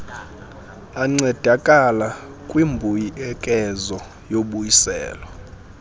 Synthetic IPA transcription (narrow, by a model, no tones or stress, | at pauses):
aŋ͡ǀɛd̥ʱakʼala | kʼwimbʱujiɛkʼɛzɔ | joɓujisɛ̰ːlwa